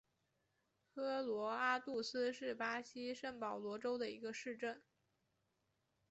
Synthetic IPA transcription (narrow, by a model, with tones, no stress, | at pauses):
xɤ˥lwɔ˧˥a˥t̪u˥˩sɹ̩˥ʂɻ̩˥˩pa˥ɕi˥ʂə˥˩ŋpɑ˨˩ʊlwɔ˧˥ʈ͡ʂo˥ʊd̪ə˨i˧˥ɡə˧ʂɻ̩˥˧ʈ͡ʂə˥˩n